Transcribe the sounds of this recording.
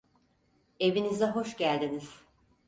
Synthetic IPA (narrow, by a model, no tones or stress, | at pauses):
e̞vinizɛɦo̞ʃɟælʲd̪iniz̥